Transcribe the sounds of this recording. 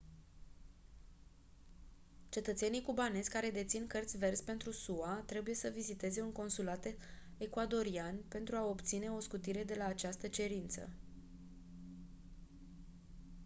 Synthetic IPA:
t͡ʃe̞t̪ət̪se̞nijkubane̞zʲkaɾe̞d̪e̞t̪sinkərt̪sʲve̞rsʲpe̞nt̪ɾusuat̪ɾe̞buje̞səvizit̪e̞ze̞uŋko̞nsulat̪ekuad̪o̞ɾianpe̞nt̪ɾuao̞pt̪sine̞o̞skut̪iɾe̞d̪e̞laːt͡ʃast̪ət͡ʃe̞ɾint̪sə̰

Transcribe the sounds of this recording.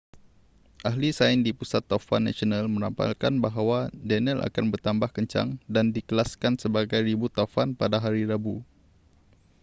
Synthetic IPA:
ʔaɦlisaɪndipusat̪ːofa̰nːa̰sionalmə̃ɾampa̰lkanbaɦawadɛnəla̰kanbərt̪ambahkəɲt͡ʃa̰ŋdandikəlaskansəbaɡajribut̪afanpadaɦaɾiɾabu

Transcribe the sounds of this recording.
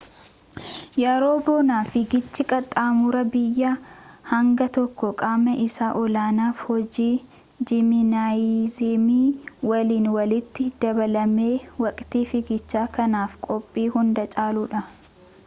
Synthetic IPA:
jaːɾoːboːnaːfɪɡɪt͡ʃːɪkʼɐt̪ʼaːmʊɾɐbɪjːaːhɐŋɡɐt̪ɔkːɔkʼaːmɐʔɪsaːʔɔlaːnaːfhɔd͡ʒiː | d͡ʒɪmɪnaːizeːmiːwɐliːnwɐlɪt̪ːɪd̪̥ɐbɐlɐme̞ːwɐkʼt̪iːfɪɡɪt͡ʃːaːkɐnaːfkʼɔpʼːiːhʊnd̪ɐt͡ʃʼaːluːᶑɐ

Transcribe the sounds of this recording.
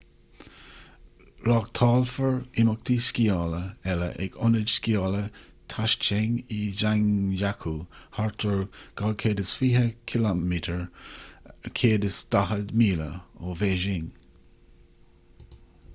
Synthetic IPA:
ɾɑɡ̚t̪ʰɑːlfəɹɪmʊk̚t̪ʰiskiɑːləɛlə̰ʔɛ̰ɡɔnəd͡ʒskiɑːlə | t̪ʰaʃt͡ʃeŋid͡ʒaŋd͡ʒakʰuːhaɹt̪ʰəɹɡ̥alkʰeːdəsfiːhəkʰɪlamitʰəɹ | əkʰeːdəsd̪̥aɦəd̪miːlə̰oveːʒɪŋ

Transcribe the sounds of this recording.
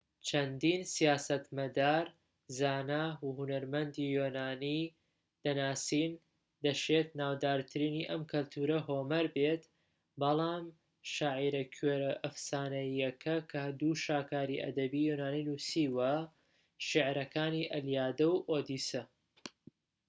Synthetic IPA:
t͡ʃʰɐnd̪iːnsijaːsɐt̪mɐd̪aːɾ | zaːnaːuhunɐɾmɐnd̪ijonaːni | d̪̥ɐnaːsiːn | d̪ɐʃet̪naːwd̪aːɾt̪ʰɨɾiːniʔɐmkʰɐlt̪ʰuːɾɐɦoːmɐɾbet̪ | bɐlˠɑːm | ʃaːʕiɾɐkʰɥeɾɐʔɐfsaːnɐːɐkʰɐkʰɐd̪uʃaːkaːɾiʔɐ̰d̪ɐbijonaːninusiːwɐ | ʃɪʕɾɐkʰaːniːʔɐljaːd̪ɐwʔoːd̪iːsɐ

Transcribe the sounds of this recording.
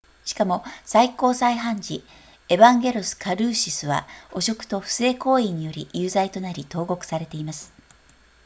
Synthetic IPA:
ɕi̥kamo̞saiko̞ːsaiɦãɲ̟d͡ʑi | e̞bãŋɡʲe̞ɾosɨ̥kaɾɯ̟ːɕisɨβa̰o̞ɕo̞kɯ̟̥t̪o̞ɸɯ̟̥se̞ːko̞ːiɲ̟ijo̞ɾʲḭʔjɯːzait̪o̞naɾʲit̪o̞ːɡo̞kɯ̟̥saɾe̞t̪e̞imasɨ̥

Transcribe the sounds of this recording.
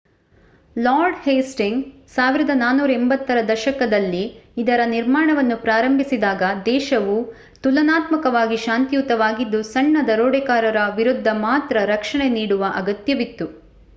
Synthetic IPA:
laːɾɖheːsʈiŋsaːʋiɾɐd̪ɐnaːnuːɾɐɛmbɐt̪ːɐɾɐd̪ɐʃɐkɐd̪ɐlːiːd̪ɐɾɐniɾmaːɳɐʋɐnːupɾaːɾɐmbʱisid̪aːɡɐd̪ɛːʃɐʋu | t̪ulɐnaːt̪mɐkɐʋaːɡiʃaːnt̪ijut̪ːɐʋaːɡid̪ːusɐɳːɐd̪ɐɾoːɽɛkaːɾɐɾɐʋiɾud̪ʱːɐmaːt̪ɾɐɾɐkʂɐɳeniːɽuʋɐʔɐɡɐt̪jɐʋit̪ːu

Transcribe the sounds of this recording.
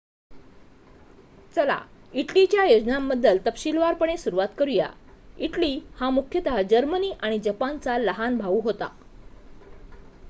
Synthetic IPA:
t͡səla̰iʈlit͡ɕjajod͡ʑnamːəd̪ʱːəlt̪əpɕilʋaɾpəɳ̃esuɾuʋat̪kəɾuja̰iʈliːhamukʰjət̪aɦad͡ʑəɾməniːʔaɽ̃id͡ʑəpant͡saləɦanbʱaʋuɦot̪a̰

